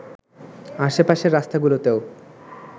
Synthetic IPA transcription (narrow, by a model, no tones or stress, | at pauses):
aʃepaʃeɾːast̪ʰaɡulot̪eo